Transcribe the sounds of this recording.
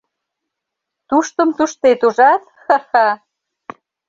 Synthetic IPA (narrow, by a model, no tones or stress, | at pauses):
t̪uʃt̪ə̆mt̪uʃt̪et̪uʒɑt̪hɑxɑ